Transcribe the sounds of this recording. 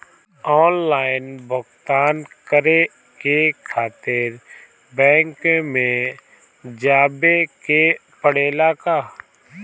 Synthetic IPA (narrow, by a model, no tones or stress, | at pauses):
ɔːnlaːɪnbʱʊkt̪aːnkəɾe | kekʰaːt̪ɪɾ | bɛ̃ːŋkmẽ | d͡ʒaːbekepəɽeːlakaː